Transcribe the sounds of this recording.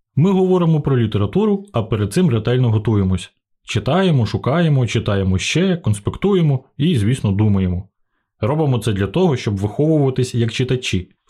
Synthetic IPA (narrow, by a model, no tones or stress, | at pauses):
mɪɦɔʋɔɾɪmɔpɾɔlʲit̪e̞ɾɐt̪uɾʊɐpeɾed̪̚sɪmɾet̪ɛlʲnɔɦɔt̪ujemɔsʲɐ | t͡ʃɪt̪ɑjemɔʃʊkɑjemɔt͡ʃɪt̪ɑjemɔʃt͡ʃɛkɔnspʲekt̪ujemɔizʲʋʲisnɔd̪umɐjemɔ | ɾɔbɪmɔt̪sɛd̪lʲɐt̪ɔɦɔʃt͡ʃɔbʋɪxɔʋʊʋʊʋɐt̪ɪsʲjɐkt͡ʃɪt̪ɐt͡ʃʲi